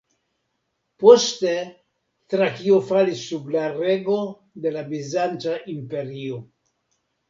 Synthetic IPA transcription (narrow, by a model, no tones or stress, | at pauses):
poste | tɾakiofalisːublaɾe̞ɡo | d̪e̞labizant͡ʃaʔimpe̞ɾio